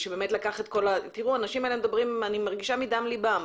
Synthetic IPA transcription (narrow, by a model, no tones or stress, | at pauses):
ʃebe̞metlakaχet̪̚ko̞lat̪iʁuanaʃimaelemd̪abʁimanimaʁɡiʃamidamlibam